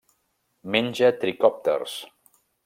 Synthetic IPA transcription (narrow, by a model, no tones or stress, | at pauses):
menʲd͡ʒət̪ɾikɔp̚t̪ə̰rs